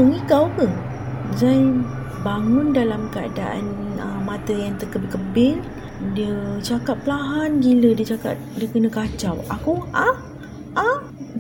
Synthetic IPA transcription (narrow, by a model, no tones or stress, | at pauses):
əŋikawkə | zan | baŋʊndalamkəa̰da̰ʔa̰nəmãt̪əjaŋt̪əkəbɪkəbɪŋ | diət͡ʃakat̚pəlaɦanɡilədiət͡ʃaka̰t̚diəkənə̃kat͡ʃawakuʔa | ʔa